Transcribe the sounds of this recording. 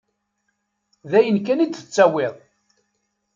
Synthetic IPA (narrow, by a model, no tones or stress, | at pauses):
ðæjənkæniθə̥t͡sːæwɪðˤ